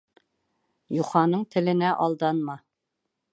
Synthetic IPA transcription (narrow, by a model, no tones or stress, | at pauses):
juχɑnɤɴt̪ʰɪ̆lɪnɛʔɑlˠd̪ɑnmɑ